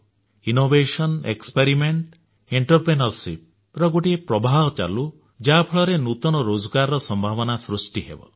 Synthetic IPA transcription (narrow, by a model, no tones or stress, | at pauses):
inobeʃɔnḛkspeɾimeɳʈ | iɳʈɔɾpɾenɔlsip̚ | ɾɔɡoʈiepɾɔbʱaɔt͡ʃa̰lu | d͡ʒapʰɔɭɔɾenut̪ɔnɔɾod͡ʒɔɡaɾɔɾɔsɔmbʱabɔnasɾusʈiɦḛbɔ̰